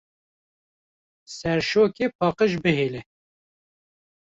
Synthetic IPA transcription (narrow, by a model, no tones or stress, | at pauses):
sɛɾʃoːkepʰɑːqəʒbɨɦeːlɛ